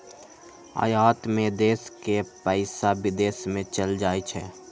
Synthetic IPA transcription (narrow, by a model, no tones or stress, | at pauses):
a̰ːjaːt̪mẽd̪eːskepəɪsabɪd̪eːsmẽt͡ʃəld͡ʒaːit͡ʃʰɛː